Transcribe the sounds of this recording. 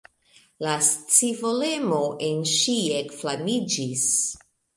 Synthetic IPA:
last͡sivole̞mo̞ʔenʃiekflamid͡ʒis

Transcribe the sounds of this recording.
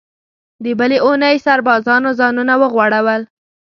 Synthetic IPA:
d̪əbəleunəjsaɾbɑzɑnozɑnunawəɣwaɽawəl

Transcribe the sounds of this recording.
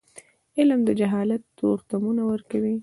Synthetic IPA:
ɪlmd̪əd͡ʒaɦɑlat̪ːoɾt̪amunawəɾkawi

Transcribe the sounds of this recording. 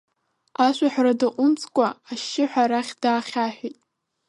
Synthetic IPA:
aʃʷaħʷᶣradaqʷʼʊnt͡sʰʼkʷʼaaʃːɪħʷᶣaɾaχʲdaːχʲaħʷᶣijtʼ

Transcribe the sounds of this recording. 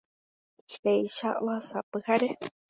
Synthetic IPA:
ʃejʃaʔoasapɨhaɾe

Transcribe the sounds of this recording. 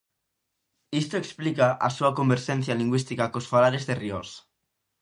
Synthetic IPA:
ist̪oeksplikaʔa̰suakombeɾʃenθjaliŋɡwist̪ikakosfalaɾezðerios

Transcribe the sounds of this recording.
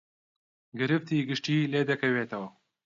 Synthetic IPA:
ɡɨɾɨft̪iːɡɨʃt̪iːleːd̪ɐkʰɐweːt̪ʰɐwɐ

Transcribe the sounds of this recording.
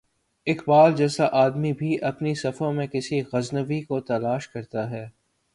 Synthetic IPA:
ɪxbaːld͡ʒɛːsaʔaːd̪mibʱiʔɐpnisɐfõmẽkɪsiɣɐznəʋikot̪ɐlaːʃkɐɾt̪aɦɛː

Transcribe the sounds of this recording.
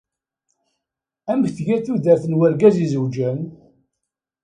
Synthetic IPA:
æməçθʝæθuðæθənwəɾɡæzizəwd͡ʒæn

